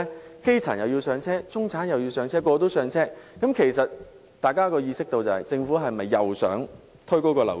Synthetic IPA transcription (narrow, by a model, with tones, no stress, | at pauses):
ke˥jt͡sʰaː˨˩njɐ˨wjiː˧wsœː˧ŋt͡sʰɛː˥t͡sʊ˥ŋt͡sʰaː˨˥njɐ˨wji˧wsœː˨˧ŋt͡sʰɛː˥kʷɔː˧t̪o˥wsœː˧ŋt͡sʰɛː˥kɐ˨˥mkʰe˨˩jsɐ˨t̚ | t̪aː˨jkaː˥kɔː˧jiː˧sɪ˥k̚t̪o˧wt͡sɐ˨hɐ̰˨jt͡sɪ˧ŋfuː˨˥ɦɐ˨jmɐ˨jːɐ˨wsœ̰ː˨˥ŋ | t̪ʰɵ˥ko˥wkɔː˧lɐ̰˨˩